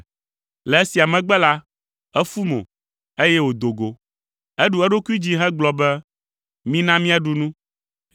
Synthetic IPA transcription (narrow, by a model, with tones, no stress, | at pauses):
lɛ˨e˦si˨a˨mɛ̃˨ɡ͡bɛ˦la˦ | ɛ˦fu˦mõ̰˨ | e˦jɛ˦wo˨d̪o˨ɡo˨ | ɛ˦ɖu˨ɛ˦ɖo˦ku˦i˦d͡ʑi˦ɦɛ˦ɡ͡blɔ˨bɛ˦ | mĩ˦nã˦mĩ˦a˦ɖu˨nũ˦